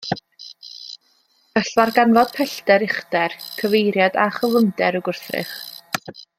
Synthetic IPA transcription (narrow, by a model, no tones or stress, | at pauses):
əɬvarɡanvɔd̥pʰɛɬtɛɾɪχdɛrkʰəvejɾjadaχəlˠəmdɛɾəɡʊrθrɪ̰χ